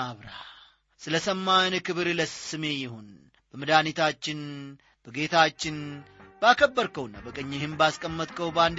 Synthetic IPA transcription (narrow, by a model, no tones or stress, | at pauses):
aβɾa̰ | sɨləsəmːankɨβɾləsɨme̞jɪho̞n | bəmɨd̪anit̪ʰat͡ʃːɪn | b̥əɡe̞t̪ʰat͡ʃːɪnbakʰəbːəɾkəwnːabəkʼəɲːɪhɪmbaskʼəmːət̪ʼkʰəwband̪